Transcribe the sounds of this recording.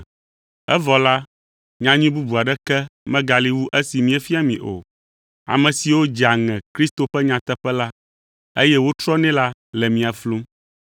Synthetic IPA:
ɛ˦vɔ˨la˦ | ɲã˦ɲĩ˦bu˦bu˨a˨ɖɛ˦kɛ˦mɛ̃˦ɡa˨li˦wu˦ʔɛ˦si˨mĩ˦ɛ˦fi˦a˨mĩ˨ʔo̰˨ | a̰˨mɛ̃˨si˨wo˦d͡ʒa˨ŋɛ̃˨kɾi˦st̪o˨ɸɛ˦ɲã˨t̪ɛ˦ɸɛ˦la˦ | ḛ˦jɛ˦wo˦t̪ɾɔ˦nɛ̃˦la˦ | lɛ˨mĩ˨a˨flu˦m

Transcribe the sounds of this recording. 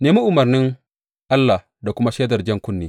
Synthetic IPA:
neː˨mi˦ʔʊ˨mɐ˨rnɪ˦ŋ | ʔa˦lːa˨h | da˨kʷʊ˦ma˦ʃeː˦dɐ˨rd͡ʒɛ˦ŋkʷʊ˦nːeː˦

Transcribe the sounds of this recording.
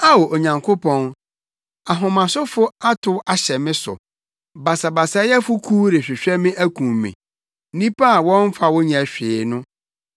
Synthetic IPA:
a˦wo˨ʔo˨ɲã˨ŋkʰo˦pʰɔ̃˦n | a˨ɦʊ̃˨mã˨sʊ˦fʊ˦a˦tʰʊ˦a˨ɕɛ˨mɪ̃˦sʊ̰˨ | ba˨sa˨ba˨sa˨˦jɛ˦fʊ˦kʰu˦ɾɪ˨ɕᶣɪ˨ɕᶣɛ˦mɪ̃˦ʔæ˦kʰũ˨mmḭ̃˨˦ | nĩ˦pʰa˦a˨wɔ̃˦m˦fa˨wɔ˦ɲã˨ɕᶣɪː˨˦nʊ̃˦

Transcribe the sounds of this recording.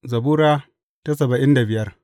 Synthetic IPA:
zɐ˨buː˦ɾaː˦ | ta˦s̬ɐ˨bɐ˨ʔɪ˦nda˨bɪ˨jɐ˦r

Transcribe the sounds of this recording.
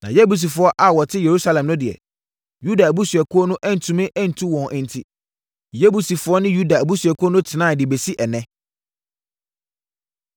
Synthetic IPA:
nã̰˨jɛ˦bu˨s̬i˨fʊ˦ɔ˦ʔa˦˨wɔ˨tʰɪ˦je˨ɾu˦sa˦lɛ̃˨mnʊ̃˦dɪ˨ɛ̰˨ | ju˦da˨æ˨bu˦sɥɛ˨kʰʊ˦ɔ˦nʊ̃˦ʔɛ˦n̩˨tʰũ˨mɪ̃˦ʔɛ˦n̩˨tʰũ˦wɔ̃˨nʔɛ̃˨n˨tʰi˦ | jɛ˦bu˨si˨fʊ˨˦ɔ˦nɪ̃˦ju˦da˨æ˨bu˦sɥɛ˨kʰʊ˦ɔ˦nʊ̃˦tʰɪ˨nãː˦˨dɪ˨be˨si˦ʔɛ˨nɛ̃˦

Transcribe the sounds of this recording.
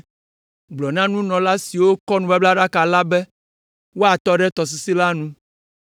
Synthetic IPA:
ɡ͡blɔ˨nã˦nũ˦nɔ̃˨la˦si˨wo˦kɔ˦nũ˨ba˦bla˦ɖa˦ka˨la˦bɛ˦ | wo˦a˨t̪ɔ˦ɖɛ˦t̪ɔ˨s̬i˨si˦la˦nũ˦

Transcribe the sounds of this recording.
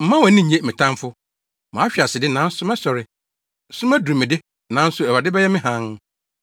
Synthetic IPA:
m̩˨mã˦wɛ˨˦nɪ̃˦˨ɲẽ˦mɪ̃˨tʰã˦mfʊ˦ | mã˨˦ɕᶣi˨a˨sɪ˨dɪ˦nã˨˦n̩˦sʊ˦mɛ˦sɔ˨ɾɪ˨ | sʊ̃˦m˦ɛ˦du˨ɾi˨mɪ̃˨dɪ˦ | nã˨˦n̩˦sʊ˨ɛ˨wa˨dɪ˦bɛ˦jɛ˦mɪ̃˦ɦã˦n

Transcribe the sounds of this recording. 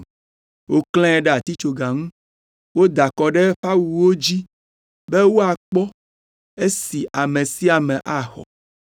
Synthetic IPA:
wo˦kl̃ɛ̃˦ɖe˦a˨t̪i˦t͡ʃo˨ɡa˨ŋũ˦ | wo˦d̪a˨kɔ˨ɖe˦ɸa˦wu˨wo˦d͡ʑi˦ | be˦wo˦a˨k͡pɔ˦ | e˦si˨ʔa˨mẽ˨si˦a˨mɛ̃˨ʔa˦xɔ̰˨

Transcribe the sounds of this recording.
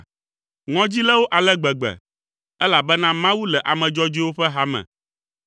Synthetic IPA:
ŋɔ̃˦d͡ʑi˦lɛ˦wo˦ʔa˨lɛ˦ɡ͡bɛ˨ɡ͡bɛ̰˨ | ɛ˦la˨bɛ˦nã˦mã˦wu˦lɛ˨ʔa˨mɛ̃˨d͡ʒɔ˦d͡ʑi˦wo˦ɸɛ˦ɦa˦mɛ̰̃˨

